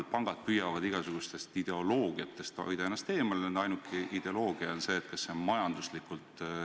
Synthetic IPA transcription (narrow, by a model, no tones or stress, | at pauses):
lpɑŋɡ̥ɑd̪̚pyjɑvɑd̪iɡ̥ɑsuɡ̥ust̪e̞st̪id̪̥e̞o̞lo̞ːɡ̥iɑt̪ːˑe̞st̪o̰jd̪̥ɑenːɑst̪e̞ːmɑlnend̪ɑjnukʰˑiʔid̪̥e̞o̞lo̞ːɡ̥iɑonse̞ːt̪kɑsːenmɑjɑnd̪uslikˑult̪